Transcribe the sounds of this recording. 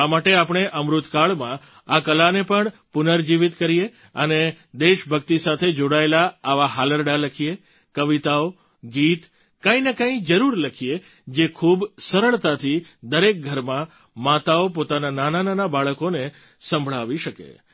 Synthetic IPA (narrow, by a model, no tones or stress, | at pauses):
amaʈeapɳ̃eʔəmɾut̪kaɭmã | akəlanepəɳpʊnəɾd͡ʒiʋɪt̪kəɾije | əne | d̪eʃbʱəkt̪isat̪ʰed͡ʒoɽaelaːʋaɦaləɾɖaləkʰie | kəʋit̪ao | ɡit̪ | kãĩnekãĩd͡ʒəɾuɾləkʰie | d͡ʒekʰubsəɾəɭt̪at̪ʰid̪əɾek̚ɡʱəɾmã | mat̪aop̬ot̪anananananabaɭəkone | sə̃mbʱɭaʋiʃəkḛ